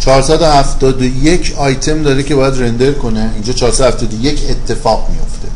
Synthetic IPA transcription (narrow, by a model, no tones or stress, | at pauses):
t͡ʃʰɒːɾsæːd̪ohæft̪ɒːd̪ojecʰɒːjt̪ʰe̞md̪ɒːɾecʰe̞bɒːjæd̪ɾend̪eɾkʰo̞neind͡ʒɒːt͡ʃʰɒːɾsæd̪ohæft̪ɒːd̪ojecʰet̪ʰːe̞fɒːɣmijoft̪ʰe